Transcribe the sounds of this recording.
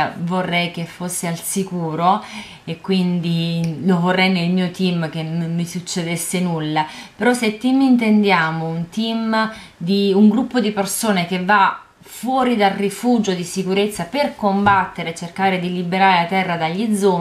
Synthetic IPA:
vorːɛjk̟efosːealsikuːɾo | ekːwind̪ilovorːɛjnelmiːot̪imk̟enomːisut͡ʃːed̪esːenulːapeɾɔset̪ːimːint̪end̪jaːmount̪im | d̪iuŋɡɾupːod̪ipersoːnek̟evːa | fwɔːɾid̪alrifuːd͡ʒod̪isikuɾet̪sːaperkombat̪ːeɾet͡ʃːerkaːɾed̪ilibeɾaːɾelat̪ɛrːad̪aʎːid̪zːo

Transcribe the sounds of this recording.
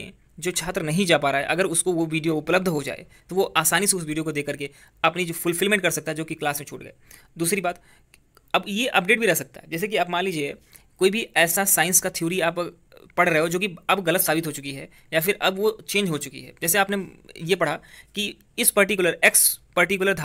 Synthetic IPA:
ḛ̃ | d͡ʒoːt͡ʃʰaːt̪ɾənɐɦĩd͡ʒaːpaːɾaɦɛ̰ʔɐɡəɾʊskoʋoʋiːɖijoʊpləbd̪ʱɦod͡ʒa̰ːḛ | t̪oʋoʔaːsaːniseʊsʋiːɖijokod̪eːkəɾke | ɐpnid͡ʒoːfʊlfɪlmẽɳʈkɐɾsɐkt̪aɦɛd͡ʒoːkiklaːsmẽt͡ʃʰṵːʈɡɐ̰ḛː | d̪uːsɾibaːt̪ | ɐbjeʔɐp̚ɖeːʈ̚bʱiɾɛɦsɐk̚t̪a̰ɦɛd͡ʒɛːs̬ek̬iaːpmãːnliːd͡ʒie | koːibʱiɛːsasaːɪ̃nskat̪ʰijoːɾiaːp | pɐɽ̤ɾɐɦeɦod͡ʒoːkiɐbɣɐlət̪saːbɪt̪ɦot͡ʃʊkiɦɛ | jafɪɾʔɐbʋot͡ʃẽːnd͡ʒɦot͡ʃʊkḭɦɛ̰ːd͡ʒɛːseaːpnejepɐɽ̤aki | ɪspɐɾʈɪkjʊləɾeːkspɐɾʈɪk̬jʊləɾd̪ʱ

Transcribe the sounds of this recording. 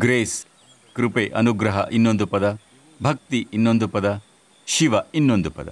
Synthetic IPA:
ɡɾeːs | kɾupeːʔɐnuɡɾɐɦɐ̰ʔinːond̪upɐd̪ɐ | bʱɐk̚t̪iinːond̪upɐd̪ɐ | ʃiʋɐinːond̪upɐd̪ɐ̰

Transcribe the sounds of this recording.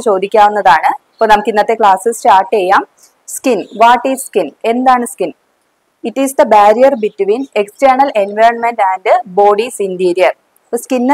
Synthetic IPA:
t͡ɕo̞ːd̪ikʲːaːʋunːɐðaːɳɨ | pːɐnɐmukːinːɐt̪ːekɭaːsɨst͡ɕaːrʈːejːaːm | skinʋaːʈːiːsskine̞nd̪aːɳɨskin | iʈːisd̪ɐbaːɾijɐrbitːuʋiːnekstɐɳɐlenʋɐjɾɐnmendæːndɨbo̞ːɖisindiɾijɐr | skinː

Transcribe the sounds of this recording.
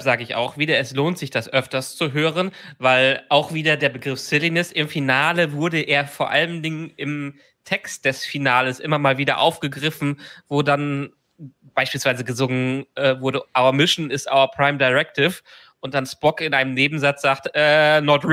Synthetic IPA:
z̥aːɡəɪça̰ʊxv̥iːdɐɛsloːntz̥ɪçd̥asʔœftɐst͡suɦøːʁənvaɪlʔaʊxv̥iːdɐdeːɐbəɡʁɪfsɪlinɪsɪmfinaːləvʊɐdəʔeːɐfoːɐʔa̰ləmdɪŋənɪm | tʰɛkst̚d̥ɛsfinaːləsʔɪmɐmaːlviːdɐ̰ʔa̰ʊfɡ̥əɡʁɪfn̩voːdan | b̥aɪʃpiːlsv̥aɪzəɡəzʊŋənʔɛːvʊɐɾəʔaʊɐmɪʃn̩ɪstʔa̰ʊɐpʁ̥aɪmdaɪʁɛk̚tɪf | ʔʊnt̚d̥anspɔkɪnʔaɪnəmneːbm̩zat͡sz̥aːktʔɛːnɔt

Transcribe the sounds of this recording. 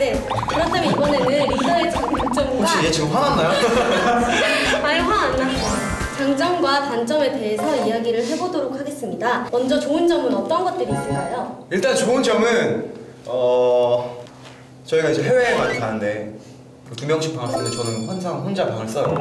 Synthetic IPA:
ne̞ | kɯɾʌtʰamibʌne̞nɯnɾidʰʌet͡ɕaŋɯt͡ɕ͈ʌmoɕ͈ʰid͡ʑet͡ɕiɡɯmɸwananːajo | maɭɸwaanːaʌ | t͡ɕaŋd͡ʑʌŋɡwatant͡ɕ͈ʌme̞te̞ɦesʰʌijaɡiɾɯɭɦe̞bodoɾok̚ʰaɡe̞s͈ɯmɲidamʌnd͡ʑʌt͡ɕoɯnd͡ʑʌmɯnʌt͈ʌnɡʌt̚t͈ɯɾiːs͈ʌkajoiɭt͈ant͡ɕoɯnd͡ʑʌmɯn | ʌ | t͡ɕʌiɡaid͡ʑe̞ɦe̞we̞ːmanikʰanɯnde̞ | kɯtumjʌŋɕʰi̥k̚p͈aŋaɭs͈ʌɾot͡ɕʌnɯnɸwand͡ʑʰaŋɸond͡ʑapaŋaɭs͈ʌjo

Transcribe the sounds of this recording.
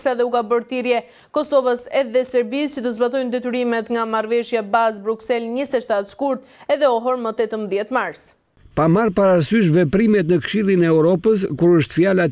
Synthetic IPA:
saðɛukabəɾθiɾjɛ | kɔsɔvəsɛðɛsɛɾbist͡ɕət̪əzbat̪̬ɔjnd̪ɛt̪yɾimɛt̪ŋɡamaɾvɛʃjabazbɾuksɛlɲist̪ɛʃt̪at̪skuɾt̪ | ɛðɛɔɦɔɾmət̪ɛt̪əmðjɛt̪maɾs | pamaɾpaɾasyʃ̬vɛpɾimɛt̪̬nəkʃilˠinɛːuɾɔpəskuɾəʃt̪fiala

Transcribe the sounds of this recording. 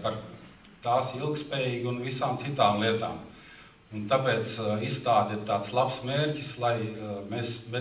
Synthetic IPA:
paɾ | t̪aːsilˠk̚t̪spɛːjiːɡʲunʋisaːmt̪sit̪aːmlˠiɛt̪a̰ːm | unt̪apɛːt̪sist̪aːt̪ʲiɾt̪aːt̪slˠapsmeːɾʲcislˠajmeːsbe

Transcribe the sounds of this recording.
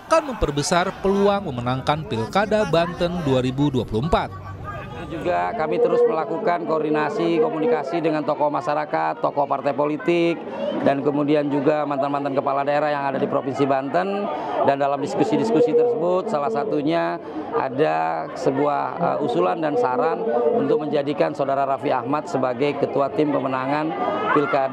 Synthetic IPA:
ʔakanməmpərbəsarpəluaŋməmənaŋkanpilkadabant̪ənduaɾibuduapuluəmpat̪̚ | t̪ud͡ʒuɡakamit̪əɾʊsməlakukankoːrdinasikomunikasidəŋant̪ɔkɔmaʃaɾakat̪ːokɔpart̪ajpolit̪ɪk̚ | dankəmudiand͡ʒuɡamant̪anmant̪ankəpaladaeɾahjaŋadadipɾofinsibant̪əndandalamdiskusidiskusit̪ərsəbʊt̪̚salahsat̪uɲa | ʔa̰da | səbuahə̰ʔusulandansaɾanunt̪ʊk̚məɲd͡ʒadikansaudaɾaɾafia̰hmat̪̚səbaɡajkət̪uat̪ɪmpəmənaŋanfilkad

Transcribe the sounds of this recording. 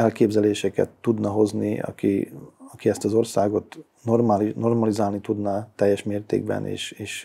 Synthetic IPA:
ɛlkeːbzɛleːʃɛkɛ̰t̪ːud̪nɒɦo̞zniɒ̰kḭɒkiɛst̪ɒzo̞rsaːɡo̞t̪ | normlno̞rmɒlizaːlnit̪ud̪nɒt̪ɛjːɛʃmeːrt̪ḛːɡ̚bɛ̰nḛːʃeːʃ

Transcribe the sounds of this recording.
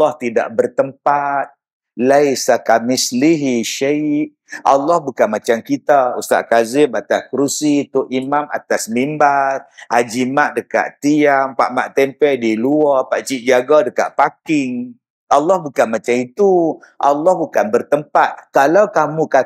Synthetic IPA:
ɔht̪ida̰ʔbərt̪əmpat̪̚ | lajsakamɪsliɦiʃaiʔ̚ | a̰lːɔhbukanmat͡ʃamkit̪aust̪a̰ʔkazɪmat̪askɾusit̪ʊʔimama̰t̪asmimbarad͡ʒimaʔdəka̰ʔt̪iampa̰ʔmaʔt̪ɛmpɛʔdiluɔpaʔt͡ʃiʔ̚d͡ʒaɡadəka̰ʔpakɪŋ | ʔalːɔhbukanmat͡ʃamit̪u | ʔa̰lːɔhbukanbərt̪əmpat̪̚kalawkamuka

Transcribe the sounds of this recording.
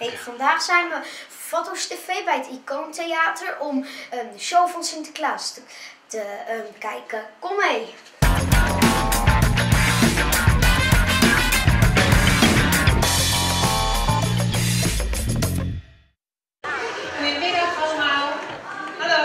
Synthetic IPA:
ɦejv̥ɑndaːχsɛjnʋə | fotostefejbɛjətikontejaːtəɹɔməəʃowvɑnsɪntəklaːstətəkɛjkəkɔmej | ɪdətɑlma

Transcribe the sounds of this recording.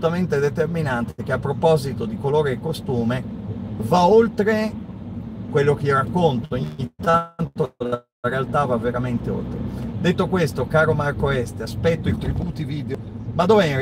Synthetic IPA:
ut̪ament̪ed̪et̪erminant̪ek̟eapːɾopɔzit̪od̪ikoloːɾeːkːost̪uːmevaolt̪ɾe | kwelːok̟eɾakːont̪ooɲːit̪ːant̪o | ɾealt̪avavːeɾament̪eo̰lt̪ɾḛd̪et̪ːokwest̪okaːɾomarkoɛst̪easpɛt̪ːoit̪ɾibuːt̪iviːd̪eo | mad̪oːvɛĩr

